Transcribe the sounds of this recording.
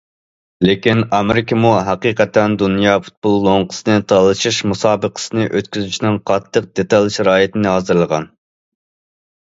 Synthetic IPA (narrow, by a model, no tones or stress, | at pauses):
lekʲinɑmɪɾɪkʰʲəmuɦɑqiqɛt̪ːɛnd̪unjɑːfu̥t̪̚bulˠːoŋqʰə̥sɨnɨt̪ʰɑlˠɨʃiʃmusɑːbəqʰə̥sɨnɨʔøt̪kʲyzyt͡ʃʰinɪŋqʰɑt̪ʰːəq̚d̪et̪ɑlʲˠʃiɾɑːjet̪ʰɪnɨɦɑːzɨɾlˠəʁɑ̰n